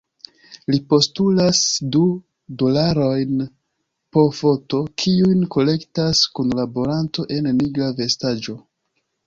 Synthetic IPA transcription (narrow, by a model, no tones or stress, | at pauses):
lipo̞stulasdu | do̞laɾo̞jn | po̞fo̞to̞kʰiujnko̞le̞ktaskunlaboɾanto̞ʔe̞nːiɡɾave̞stad͡ʒo̞